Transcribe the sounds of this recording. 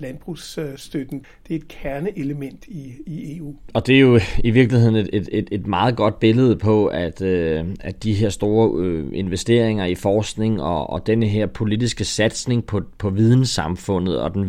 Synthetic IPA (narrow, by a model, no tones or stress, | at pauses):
lænb̥ʁusd̥ød̥n̩ | d̥e̝ɐe̝d̥̚kʰæɐnəʔeləmen̰d̥iie̝ːṵːɒ̽d̥e̝jo̝iʋiɐɡ̥lihe̝ð̰ˠn̩eed̥e̥e̝d̥mɑ̈ːð̩ˠɡ̥ɒ̽d̥̚b̥e̝ləð̞̩ˠpʰɒ̽æd̥øæd̥iɦe̝ɐ̰sd̥o̝ːɐøe̝nʋesd̥e̝ɐ̰e̝ŋɐifɒːsɡ̥ne̝ŋɒɒd̥enəɦeɐ̰pʰo̝lid̥isɡ̥əsæd̥sne̝ŋpʰɒ̽pʰɒ̽ʋið̞ˠn̩sɑ̈mfɔ̽n̰ð̞̩ˠɒ̽d̥en